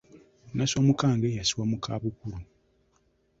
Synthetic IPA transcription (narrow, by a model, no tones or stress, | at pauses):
naswamukaːŋɡejasiwamukʰaβukuɾu